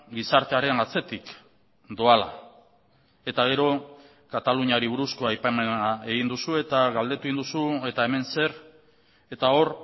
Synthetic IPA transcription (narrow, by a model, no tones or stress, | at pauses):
ɡisaɾt̪e̞aɾe̞ŋɡat͡se̞t̪ik | d̪o̞ala̰ | e̞t̪aɣ̞e̞ɾo̞ | kat̪aluɲaɾiβ̞uɾusko̞ajpamenae̞ɣind̪usue̞t̪aɣald̪e̞t̪uind̪usue̞t̪ae̞me̞nse̞ɾ | e̞t̪ao̞r